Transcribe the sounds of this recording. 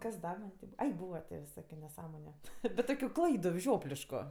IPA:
kɐs ˈdɐ mɐnʲ tʲɪ ˈbuːʋɐ ˈɐɪ ˈbuːʋɐ tʲeː ʋʲɪˈsoːkʲʊ nʲɛˈsɑːmoːnʲʊ bʲɛt ˈtoːkʲʊ ˈklˠɐɪdʊ ˈʒʲoːpʲlʲɪʃkʊ

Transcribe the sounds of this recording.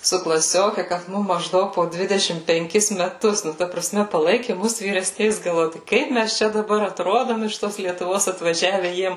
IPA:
sʊ klˠɐˈsʲoːkʲɛ kɐt ˈmʊm mɐʒˈdɐʊk poː ˈdʲʋʲɪdʲɛʃʲɪm pʲɛŋʲˈkʲɪs mʲɛˈtʊs nʊ ˈtɐ prɐˈsʲmʲɛ pɐˈlˠɐɪkʲɪ ˈmʊs ʋʲiːrʲɛˈsʲnʲɛɪs ɡɐlˠˈʋoːjʊ ˈkɐɪp ˈmʲæs ˈt͡ʃʲɛ dɐˈbɐr ɐtˈroːdoːm ɪʃ ˈtoːs lʲiɛtʊˈʋoːs ɐtʋɐˈʒʲæːʋʲɛ ˈjiɛm

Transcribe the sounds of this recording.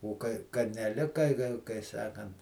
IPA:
oː ˈkɐɪ kɐ nʲɛˈlʲɪkɐ kɐ kɐɪ ˈsɑːkɐnt

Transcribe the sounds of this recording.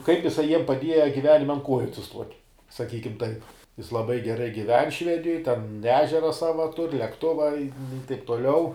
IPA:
kɐɪp ɪˈsɐɪ jiɛm pɐˈdʲiɛjɛ ɡʲɪˈʋʲæːnʲɪmʲɛ ɐn ˈkuɔjʊ ɐtʲsʲɪˈstuɔtʲ sɐˈkʲiːkʲɪm tɐɪp jɪs lˠɐˈbɐɪ ɡʲɛˈrɐɪ ɡʲɪˈʋʲɛn ˈʃʲʋʲæːdʲɪjoːj tʲɛn ˈæːʒʲɛrɐ ˈsɑːʋɐ tʊrʲ lʲɛkˈtʊʋɐ ɪ tɐɪp toːˈlʲɛʊ

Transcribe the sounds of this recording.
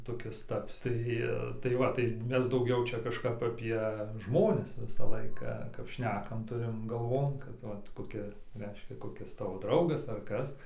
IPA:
toːˈkʲɪs ˈtɑːpʲsʲɪ ˈtɐɪ tɐɪ ˈʋɐ tɐɪ ˈmʲɛs dɐʊˈɡʲɛʊ ˈt͡ʃʲɛ kɐʃˈkɐp ɐˈpʲiɛ ˈʒmoːnʲɪs ˈʋʲɪsɐ ˈlˠɐɪkɐ kɐp ˈʃʲnʲæːkɐm ˈtʊrʲɪm ɡɐˈlˠʋoːn kɐt ˈʋɐ koːˈkʲɪ ˈrʲɛɪʃʲkʲɛ koːˈkʲɪs ˈtɑːʋoː ˈdrɐʊɡɐs ɐr ˈkɐs

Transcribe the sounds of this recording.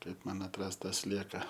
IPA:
ˈkɐɪp mɐn ɐtˈrɐst ˈtɑː ˈsʲlʲiɛkɐ

